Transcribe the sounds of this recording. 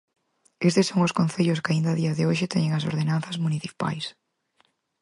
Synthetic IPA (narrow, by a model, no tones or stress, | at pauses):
est̪esːoŋʊskõn̟θeʎʊskaind̪ɐðiɐðɪoʃɪt̪ɛɲeŋɐso̰ɾðenan̟θɐzmuniθi̥pa̰js